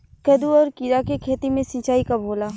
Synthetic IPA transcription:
kɐd̪uɔːɾkiɾakekʰeːt̪imẽsĩːt͡ʃaːikabʱoːlaː

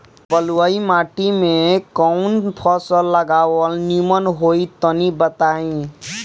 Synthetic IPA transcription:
pəlwəimaʈimẽkɔʊnpʰɔsəlːəɡawəlnimənɦoit̪ənibət̪aĩ

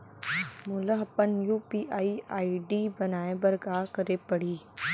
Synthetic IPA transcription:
mʊləɦɐpənjuːpiːʔaːiaːiɖiːbɐnaːẽbɐɾɡaːkɐɾepɐɽ̤iː

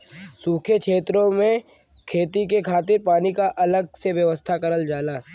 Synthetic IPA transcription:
suːkʰekʃʰeːt̪ɾõmẽ | kʰeːt̪ikekʰaːt̪ɪɾpaːnikaʔɐləɡ̚seʋjɐʋəst̪ʰakɐɾəld͡ʒaːlaː

